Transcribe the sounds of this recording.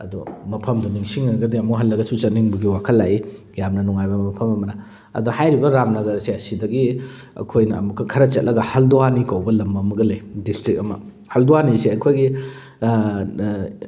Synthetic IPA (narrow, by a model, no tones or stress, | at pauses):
ɐ̰dumɐpʰɐmduniŋsiŋːɐɾɐɡɐdiɐmuɦɐlːɐɡɐsut͡ʃɐt̚niŋbɐɡiwakʰɐlːaji | jamnɐnuŋajbɐmɐpʰɐmɐmɐnɐ | ɐ̰duhajɾibɐɾamnɐɡɐɾsiɐsidɐɡi | ɐ̰kʰojnɐ̰ːmukʰːɐkʰɐɾɐt͡ʃɐt̚lʔɐɡɐhɐlduwanikawbɐlɐmbɐmɐɡɐlejdistɾik̚ɐmɐ̰ | hɐlduwanisiɐjkʰojɡi